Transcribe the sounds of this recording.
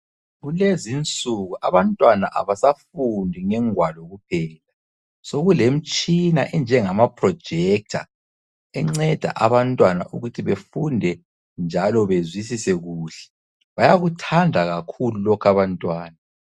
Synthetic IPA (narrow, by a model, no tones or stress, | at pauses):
ɣulezint͡sʼuɣuʔa̰βantʼwanaʔa̰βasafundʱiŋɛŋwalɔɣup̚ʰɛːla | soɣulem̩t͡ʃʼina̰ʔɛnd͡ʒʱɛŋamapʰʼrɔ̥d͡ʒ̥ʱɛk̚tʰa̰ | ɛŋ͡ǀɛd̥ʱa̰ʔaβantʼwanaʔuɣutʰiβefundʱɛ | nd͡ʒʱalɔβezwisisɛɣuːɬɛ̥ | βajaɣutʰandʱaɣakʰululɔkʰaβantʼwaːna